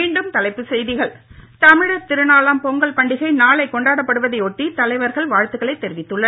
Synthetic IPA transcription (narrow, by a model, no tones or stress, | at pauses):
miːɳɖɯmt̪ɐlɐɪpːɯsɛjðɪɣɐɭt̪ɐmɪɽɐt̪ɪɾɯnaːlaːmpɔŋɡɐɭpɐɳɖɪɣɐɪnaːɭɐɪkːɔɳɖaːɽɐpːɐɽɯʋɐðɐɪɔʈːit̪ɐlɐɪʋɐɾɣɐɭʋaːɻt̪ɯɣɐɭɐɪt̪ːɛɾɪʋɪt̪ːɯɭːɐ